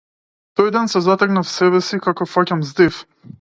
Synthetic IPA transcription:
t̪ɔjd̪ɛnsɛzat̪ɛknafsɛβɛsikakɔfacamzd̪if

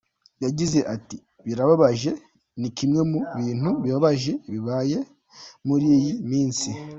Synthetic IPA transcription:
jaɟize̞ʔati | βiɾaβaβaʒe̞ | nikimŋe̞muβiːn̥huβiβaβaʒe̞βiβaje̞ | muɾiːjimiːnsi

